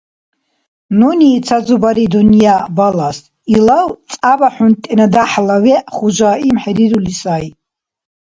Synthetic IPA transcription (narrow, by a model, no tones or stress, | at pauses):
nunit͡sʰazubaɾid̪unijabalas | ilaw̪t͡sʼabaħunt̪ʼɛnad̪aħlawɛχud͡ʒaimħɛɾiɾulisaj